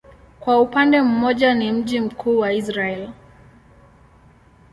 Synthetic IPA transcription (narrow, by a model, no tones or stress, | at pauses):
kwaupandɛm̩mɔʄanim̩ʄim̩kʰuːwaisɾaɛl